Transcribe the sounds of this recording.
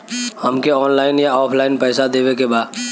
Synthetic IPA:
hɐmkeɔːnlaːɪnjaɔːpʰlaːɪnpɛːsad̪eːwekebaːd̪

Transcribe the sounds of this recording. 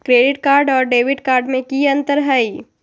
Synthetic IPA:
kɾeːɖɪʈ̚kaːɾɖɔːɾɖeːʋɪɖkaːɾɖmẽkiɐ̃nt̪əɾɦɐiː

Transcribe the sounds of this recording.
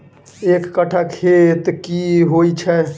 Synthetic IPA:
ekːəʈʰakʰet̪kiɦojt͡ʃʰɛ

